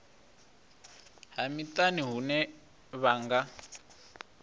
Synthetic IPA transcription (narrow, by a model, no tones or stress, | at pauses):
ɦamitaniɦunɛ | βaːŋɡa